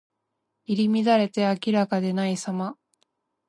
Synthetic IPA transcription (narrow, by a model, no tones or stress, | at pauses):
iɾʲimʲid̪aɾe̞t̪e̞akʲiɾakad̪e̞naisama